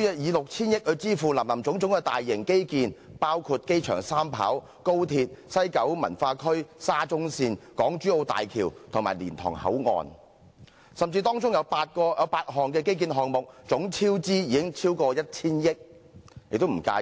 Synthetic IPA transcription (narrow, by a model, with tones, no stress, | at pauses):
jɐ˧jiː˨˧lʊ˨k̚t͡sʰiː˥njɪ˥k̚hɵ˨˧ɥt͡siː˥fuː˨˩lɐ˨˩mlɐ˨˩mt͡sʊ˨˥ŋt͡sʊ˨˥ŋkɛ˧t̪aː˨jːɪ˨˩ŋke˥jkiː˧npaː˥wkʰuː˧t̚ke˥jt͡ʃʰœː˨˩ŋsaː˥mpʰa̰ː˨˥w | ko˥wt̪ʰiː˧t̚sɐ˥jkɐ˨˥wmɐ˨˩nfaː˧kʰɵ˥ɥsaː˥t͡sʊ˥ŋsiː˧nkɔː˨˥ŋt͡ʃyː˥o˧wt̪a̰ː˨jkʰiː˨˩wt̪ʰʊ˨ŋmaː˨˩lḭː˨˩nt̪ʰɔ̰ː˨˩ŋhɐ̰˨˥wŋɔ̰ː˧n | sɐ˨mt͡siː˧t̪ɔː˥ŋt͡sʊ˥ŋjɐ˨˧wpaː˧t̚kɔː˧jɐ˨˧wpaː˧t̚ɦɔː˨ŋkɛː˧ke˥jk̬iː˧nɦɔː˨ŋmʊ˨k̚t͡sʊ˨˥ŋt͡sʰiː˥wt͡siː˥jiː˨˧kɪ˥ŋt͡sʰiː˥wkɔː˧jɐ˥t̚t͡sʰiː˥njɪ˥k̚ | jɪ̰˨k̚t̪o˥m̩˨˩kaː˧